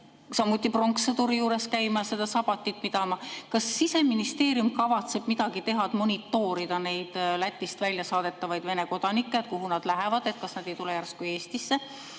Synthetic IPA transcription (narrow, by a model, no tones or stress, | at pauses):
sɑmːut̪ˑːiproŋkset̪uɾijuːɾe̞skæjmɑse̞d̪̥ɑsɑb̥ɑt̪ʲːˑit̪ːˑmid̪ɑmɑkɑsːise̞minist̪e̞ːɾjumkɑvɑt̪se̞b̥mid̪̥ɑɡ̥it̪e̞ɦɑt̪mo̞nʲit̪ːˑo̞ːɾid̪̥ɑne̞jd̪̥læt̪ːist̪vælʲjɑsɑːd̪̥e̞t̪ːˑɑvɑjd̪ve̞ne̞ko̞d̪̥ɑnikːˑet̪̚kuɦunɑd̪̥læɦevɑd̪e̞t̪̚kɑsnɑd̪̥e̞jt̪ulejærst̪kuje̞ːst̪isːe